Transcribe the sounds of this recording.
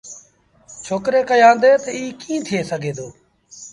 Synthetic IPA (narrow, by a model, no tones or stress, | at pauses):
t͡ʃʰoːkɾeːkəjãːnd̪eːt̪əiːkĩːt̪ʰɪjeːsəɡʱeːd̪oː